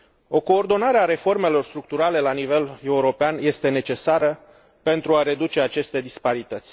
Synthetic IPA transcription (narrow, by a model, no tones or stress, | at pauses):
o̞ko̞ːrd̪o̞naɾeaɾe̞fo̞rme̞lo̞rst̪ɾuk̚t̪uɾale̞lanive̞le̞uɾo̞peanje̞st̪e̞ne̞t͡ʃe̞saɾə | pe̞nt̪ɾuaɾe̞d̪ut͡ʃe̞at͡ʃe̞st̪e̞d̪ispaɾit̪ət̪sʲ